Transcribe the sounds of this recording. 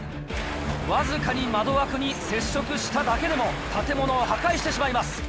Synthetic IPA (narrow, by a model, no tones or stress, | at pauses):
βazɨkaɲ̟imad̪o̞βakɯ̟ɲ̟ise̞ɕːo̞kɯ̟ɕi̥t̪ad̪ake̞d̪e̞mo̞t̪at̪e̞mo̞no̞ːhakaiɕit̪e̞ɕimaimasɨ̥